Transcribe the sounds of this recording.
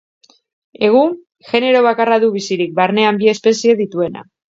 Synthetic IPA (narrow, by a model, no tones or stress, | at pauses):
e̞ɣ̞uŋ | ʝe̞ne̞ɾo̞β̞akaraðuβ̞isiɾik̚baɾne̞ambie̞spe̞sie̞ðit̪ue̞na̰